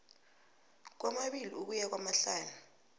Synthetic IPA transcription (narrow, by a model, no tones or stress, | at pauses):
k̬wamaɓiliuk̬ujak̬wamaɬaːnu